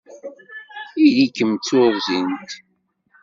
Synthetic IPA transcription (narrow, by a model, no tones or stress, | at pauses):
iðikːəmt͡sːʊɾzint̪